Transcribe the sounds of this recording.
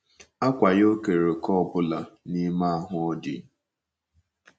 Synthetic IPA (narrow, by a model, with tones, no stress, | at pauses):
a˦kʷa˨jo˦ke˨ɾe˨kɔ˦˨bʊ˦la˨ni˦ma˦a˦ɦʊ˨ɔ˦dɪ̰˨